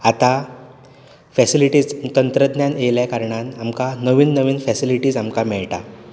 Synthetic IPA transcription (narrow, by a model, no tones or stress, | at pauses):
at̪a | fɛsiliʈiːd͡zt̪ənt̪ɾəd̪njaneljakaɾɳanamkanəʋiːnːəʋiːnfɛsiliʈiːd͡zamkamɛɭʈa̰